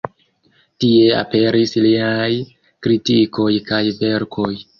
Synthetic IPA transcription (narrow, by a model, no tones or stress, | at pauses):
tie̞a̰pe̞ɾisliaj | kɾitiko̞jkajve̞ɾkʰo̞j